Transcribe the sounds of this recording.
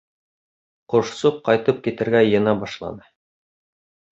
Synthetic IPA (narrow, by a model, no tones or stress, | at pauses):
qŏʃsup̚qɑjt̪ɤp̚kit̪ɘ̆ɾɡæjɤ̆nɑbɑʃlˠɑ̰nɤ